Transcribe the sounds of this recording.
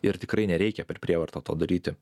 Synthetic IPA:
ɪɾt̪ʲɪkɾɐɪnʲɛɾʲɛɪkʲɛpʲɛɾpʲɾʲiɛʋɐɾt̪oːt̪oːd̪ɐɾʲiːt̪ʲɪ

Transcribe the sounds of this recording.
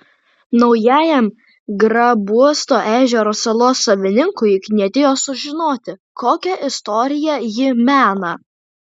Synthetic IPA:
nɒʊjæːjɛm | ɡɾɐbuɔst̪oːʔæːʒʲɛɾoːsɐlˠoːsːɐʋʲɪnʲɪŋkʊɪknʲiɛt̪ʲeːjoːsʊʒʲɪnoːt̪ʲɪkoːkʲɛʔɪst̪ɔɾʲɪjɛjɪmʲæːnɐ

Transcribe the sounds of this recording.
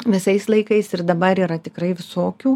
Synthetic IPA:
ʋʲɪsɐɪslˠɐɪkɐɪsɪɾd̪ɐbɐɾiːɾɐt̪ʲɪkrɐɪʋʲɪsoːkʲuː

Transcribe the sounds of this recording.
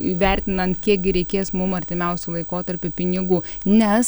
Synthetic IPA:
iʋʲɛɾʲt̪ʲɪnɐnt̪kʲiɛk̚ɡʲɪɾʲɛɪkʲeːsmʊmɐɾʲt̪ʲɪmʲɛʊsʲuːlˠɐɪkoːt̪ɐɾʲpʲʊpʲɪnʲɪɡuːnʲɛs

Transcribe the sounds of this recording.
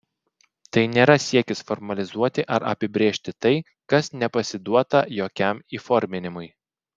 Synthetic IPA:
t̪ɐɪnʲeːɾɐsʲiɛkʲɪsfɔɾmɐlʲɪzuɔt̪ʲɪʔɐɾɐ̰pʲɪbʲɾʲeːʃʲt̪ʲɪt̪ɐɪ | kɐsnʲɛpɐsʲɪd̪uɔt̪ɐjoːkʲɛmiːfɔɾʲmʲɪnʲɪmʊɪ

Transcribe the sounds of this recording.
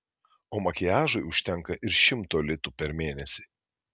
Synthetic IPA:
oːmɐkʲɪjæːʒʊɪʊʃʲt̪ʲɛŋˑkɐʔɪɾʃʲɪmt̪oːlʲɪt̪uːpʲɛɾmʲeːnʲɛsʲi̥

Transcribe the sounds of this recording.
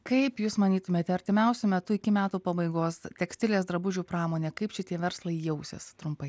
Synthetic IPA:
kɐɪpjuːsmɐnʲiːt̪ʊmʲeːt̪ʲɐɾʲt̪ʲɪmʲɛʊsʲʊmʲɛt̪ʊɪkʲɪmʲæːt̪uːpɐbɐɪɡoːst̪ʲɛksʲt̪ʲɪlʲeːsd̪ɾɐbʊʒʲuːpɾɑːmoːnʲeːkɐɪpʃʲɪt̪ʲiɛʋʲɛɾslˠɐɪjɛʊsʲɪ̰st̪ɾʊmpɐɪ

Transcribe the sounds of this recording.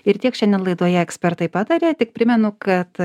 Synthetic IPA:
ɪɾt̪ʲiɛkʃʲɛndʲɛnlˠɐɪd̪uɔjɛɛksʲpʲɛɾt̪ɐɪpɑːd̪ɐɾʲeːt̪ʲɪk̚pʲɾʲɪmʲɛnʊkɐt̪

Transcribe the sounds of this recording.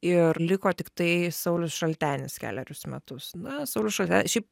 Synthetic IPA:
ɪrlʲɪkoːt̪ʲɪkt̪ɐɪsɐʊlʲʊsʃɐlʲt̪ʲæːnʲɪskʲæ̰ːlʲæɾʲʊsmʲɛ̰t̪ʊsnɐsɐʊlʲʊsʃɐlʲt̪ʲæːnʲsʃʲɛɪp

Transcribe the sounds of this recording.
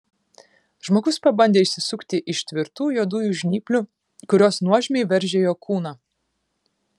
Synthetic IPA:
ʒ̥moːɡʊspɐbɐnʲd̪ʲeːɪʃʲsʲɪsʊkt̪ʲɪʔɪʃʲt̪ʲʋʲɪɾt̪uːjuɔd̪uːjuʒʲnʲiːpʲlʲʊ | kʊɾʲoːsnuɔʒʲmʲeɪʋʲɛɾʲʒʲeːjoːkuːnɑː

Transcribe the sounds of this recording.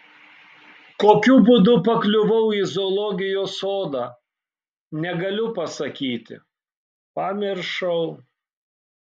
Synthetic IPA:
koːkʲuːbʊd̪ʊpɐklʲʊʋɐʊɪzolˠɔɡʲɪjoːsoːd̪ɑː | nʲɛɡɐlʲʊpɐsɐkʲiːt̪ʲɪ̰ | pɑːmʲɪɾʃɐʊ

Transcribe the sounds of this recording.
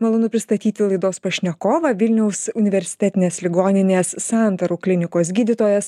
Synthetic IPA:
mɐlˠɐnʊpʲɾʲɪst̪ɐt̪ʲiːt̪ʲɪlˠɐɪd̪oːspɐʃʲnʲɛkoːʋɐʋʲɪlʲnʲɛʊsʊnʲɪʋʲɛɾʲsʲɪ̥t̪ʲɛt̪ʲɪnʲeːslʲɪɡoːnʲɪnʲeːsːɑˑnt̪ɐɾuːklʲɪnʲɪkoːsɡʲiːd̪ʲɪt̪oːjɛs

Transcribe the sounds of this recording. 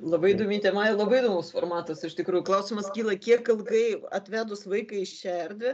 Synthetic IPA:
lˠɐbɐɪɪd̪oːmʲit̪ʲɛmɐɪlˠɐbɐɪd̪oːmʊsformɑːt̪ɐsɪʃt̪ʲɪkɾuːjʊklˠɐʊsʲɪmɐskʲiːlˠɐkʲiɛkːɐlˠɡɐɪɐ̰t̪ʲʋʲæːd̪ʊsʋɐɪkɐɪɪʃʃʲɛrʲd̪ʲʋʲɪ

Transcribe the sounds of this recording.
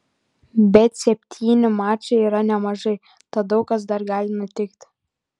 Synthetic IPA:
bʲɛt̪sʲɛpʲt̪ʲʰiːnʲɪmɑːt͡ʃeiːɾɑnʲɛmɑʒɤ | t̪ɑd̪oʊkɑs̬d̪ɑrɡɑlʲɪmɐt̪ʲɪkt̪ʲ

